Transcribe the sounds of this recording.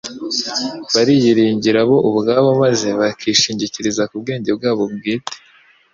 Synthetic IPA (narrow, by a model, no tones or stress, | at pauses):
βaɾijiɾiːɲɟiɾaβo̞ʔuβɡaːβamaze̞βakʰiːʃiːɲɟiciɾizakubɡe̞ːɲɟe̞b̚ɡaːβobɡiːte̥